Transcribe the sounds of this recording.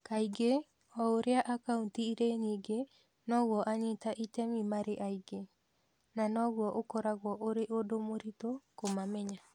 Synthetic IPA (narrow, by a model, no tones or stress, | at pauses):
kajɡe | ɔoɾeaʔakauntiːɾeniɡe | nɔɡɔʔaɲitaʔitemimaɾeʔajɡe | nanɔɡoʔokɔɾaɡuaʔoɾeʔodomoɾitokomameɲa